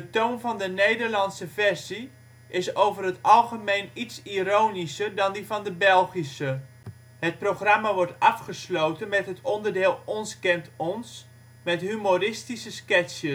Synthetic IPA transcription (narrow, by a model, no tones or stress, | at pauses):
dətownvɑndənejdərlɑnsəvɛrzi | ʔɪsowvərɦətɑlˠχəmejnitsiɾownisərdɑndivɑndəbɛlˠχisə | hət̚proχramaʋɔɹtɑfχəslowtənmɛtɦətʰɔndərdɪːlˠɔnskɛntɔns | mɛtɦymorɪstisəskɛsjə